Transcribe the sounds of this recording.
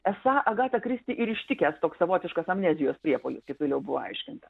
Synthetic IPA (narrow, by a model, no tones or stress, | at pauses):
ɛsɑːʔɐɡɑːt̪ɐkɾʲɪsʲt̪ʲɪʔɪɾɪʃʲt̪ʲɪkʲɛst̪oːkssɐʋoːt̪ʲɪʃkɐsɐmʲnʲæːzʲɪjoːspʲɾʲiɛpolʲʊskʲɪpʋɐljɛʊbʊʋo̰ɐ̰ɪʃʲkʲɪnt̪ɐ